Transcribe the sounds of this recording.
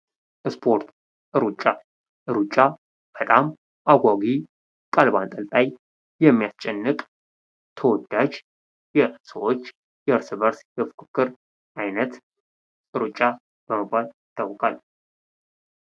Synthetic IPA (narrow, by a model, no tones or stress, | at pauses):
ʔɨspʰo̞ɾt̪ | ʔɨɾut͡ʃʼːa | ʔɨɾut͡ʃʼːa | b̥ət̪ʼam | ʔaɡʷaɡi | kʼalba̰nt̪ʼəlt̪ʼaj | jɛmːijast͡ʃʼɛnːɨkʼ | t̪ʰəwɔd̪ːad͡ʒ | jɛsəwo̞t͡ʃː | jɛɨɾsɨβəɾsjɨfkʰʼɨkʰːɨɾ | ʔajnət̪ | ʔɨɾut͡ʃʼa | b̥əməbːalɪt̪ʰʼːawkʼal